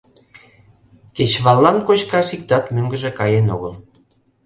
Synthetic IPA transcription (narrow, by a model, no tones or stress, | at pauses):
ket͡ɕβɑlːɑnkot͡ɕkɑʃik̚t̪ɑt̪møŋɡə̆ʒĕkɑjenoɣəl